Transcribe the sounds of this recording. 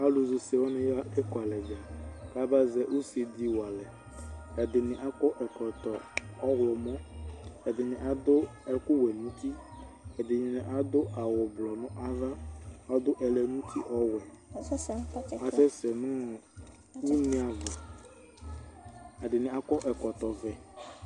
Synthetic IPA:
a˦lu˨zʊ˨se˨wɔ˦nɛ̃˨ja˦ɛ˦kɔ˨a˨lɛ˨d͡ʒa˨ka˦ba˦zɛ˦ʔu˦si˨d̪i˦wa˨lɛ˨ | ɛ˨d̪ɪ˨nɪ̃˨ʔa˦kɔ˦ʔɛ˨kɔ˨t̪ɔ˨ɔ˦ɣlɔ˨mɔ̃˦ɛ˨d̪ɪ˨nɪ̃˨ʔa˨d̪ʊ˦ɛ˦kʊ˦wɛ˨nũ˦t̪i˦ | ɛ˨d̪ɪ˨ɲĩ˨nɪ̃˨ʔa˨d̪o˦a˨wɔ˨blɔ˨nʊ̃˦ʔa˦va˦ɔ˦d̪ʊ˦ʔɛ˨lɛ˨nũ˦t̪ʰi˦ʔɔ˦wɛ˨˦ | a˨t͡ʃɛ˦sɛ˨nʊ̃˦˨ | wu˦nĩ˦a˨vɛ˨ | ɛ˨dɪ˨nɪ̃˨a˨kɔ˦ʔɛ˨kɔ˨t̪ɔ˨vɛ˨

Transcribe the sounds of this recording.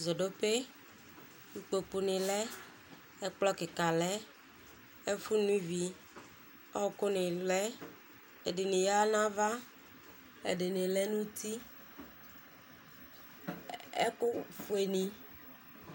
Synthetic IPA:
zɔ˨ɖo˦pe˦ | nũ˦k͡po˨k͡pu˦nĩ˨lɛ˦ | e˦k͡plɔ˦ke˨ka˨lɛ˦ | e˦fu˦nũ˦vi˦ | ɔ˦ko˦nẽ˨lɛ˦ | e˨de˨nĩ˨ja˦nã˦va˦ | ḛ˨ɖe˨nẽ˨le˦nũ˦t̪i˦ | ḛ˦ko˦fu˨e˨nĩ˨

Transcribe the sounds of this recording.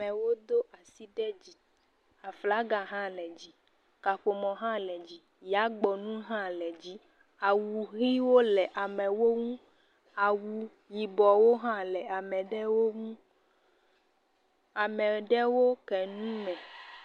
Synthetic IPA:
mɛ˨wo˦d̪o˦ʔa˨si˦ɖɛ˦d͡ʑi˨ | a˨fla˦ɡa˨ɦã˦lɛ˨d͡ʑi˦ | ka˨ɸo˨mɔ̃˨ɦã˦lɛ˨d͡ʑi˦ | ja˦ɡ͡bɔ˨nũ˦ɦã˦lɛ˨d͡ʑi˦ | a˨wu˨ɣi˦wo˦lɛ˨ʔa˨mɛ̃˨wo˦ŋũ˦ | a˨wu˨ | ji˨bɔ˨wo˦ɦã˦lɛ˨a˨mɛ̃˨ɖɛ˦wo˦ŋũ˦ | a˨mɛ˨ɖɛ˦wo˦kɛ˨nũ˦mɛ̃˨

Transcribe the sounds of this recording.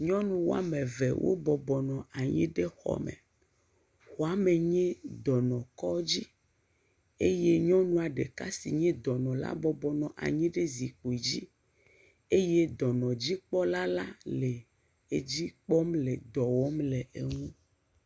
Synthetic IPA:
ɲɔ̃˦nũ˦wo̰˦a̰˦mẽ˨vḛ˨wʔo̰˦bɔ˨bɔ˨nɔ̃˨a˨ɲḭ̃˦ɖe˦xɔ̰˦mḛ˨ | xo˨a˦me˨ɲɛ̃˦d̪ɔ˨nɔ̃˨kɔ˦d͡ʑi˦ | e˦je˦ɲɔ̃˦nũ˦a˨ɖḛ˨ka˦sḭ˨ɲɛ̃˦d̪ɔ˨nɔ̃˨la̰˦bɔ˨bɔ˨nɔ̃˨ʔa̰˨ɲĩ˦ɖe˦zi˨k͡po˨i˨d͡ʑi˦ | e˦je˦d̪ɔ˨nɔ̃˨d͡ʑi˦k͡pɔ˦la˦la˦le˨ | e˦d͡ʑi˦k͡pɔ˦mle˨d̪ɔ˨wɔ˦mle˨e˨ŋũ˦

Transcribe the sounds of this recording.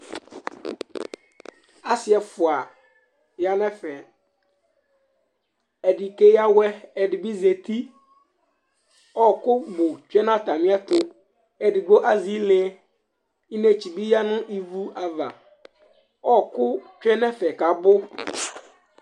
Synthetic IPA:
a˦sɪ˦ɛ˨fʊ˨a˨ | ja˦nɛ̃˦fɛ˨ | ɛ˨di˨ke˦ja˦wɛ˦ɛ˨dɪ˨bi˦ze˨t̪i˦ | ɔ˦kʊ˦bʊ˨t͡ʃᶣɛ˦nã˦t̪a˨mɪ̃˦a˦t̪ʊ˦ | ɛ˨dɪ˨ɡ͡bo˦ʔa˦zi˦lɪ˦ | i˦ne˦t͡ɕi˨bi˦ja˦nʊ̃˦ʔi˦vu˦ʔa˨va̰˨ | ɔ˦kʊ˦t͡ʃᶣɛ˦nɛ˦fɛ˨ka˨bʊ˦

